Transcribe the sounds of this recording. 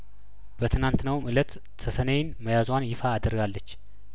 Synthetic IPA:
b̥ət̪ʰɨnant̪nəwmʔɨlət̪ | t̪ʰəsənejɪnməjazwanjɪfaːd̪əɾɡalːət͡ʃː

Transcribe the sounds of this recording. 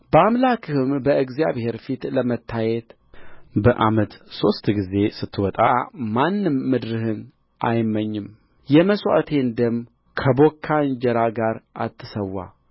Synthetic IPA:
bəamlakʰɨhɨmbəɨɡzijaβhe̞ɾfit̪ləmət̪ʰːajɛt̪ | bəʔamət̪so̞st̪ɡize̞sɨt̪ʰːɨwɔt̪ʼamanːɨmːɨd̪ɾɨhɨn | ʔajmːəɲːɨm | jɛməswa̰t̪ʰe̞nd̪əm | kʰəbo̞kʰːand͡ʒɛɾaɡaɾʔa̰t̪ʰːɨsəwːa̰

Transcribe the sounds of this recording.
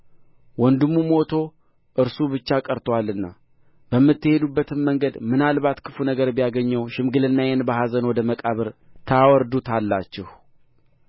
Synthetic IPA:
wɔnd̪ɨmːumo̞t̪ʰo̞ | ʔɨɾsubɨt͡ʃːakʼəɾt̪ʰwalːɨnːa | bəmːɨt̪ːɨhe̞d̪ubːət̪ʰɨnməŋɡəd̪mɨnalbat̪kʰɨfunəɡəɾbjaɡəɲːəwʃɪmɡɨlɨnːajɛnbəhazənwɔd̪əməkʼaβəɾt̪ʰəwɔɾd̪ut̪ʰalːat͡ʃːɪh

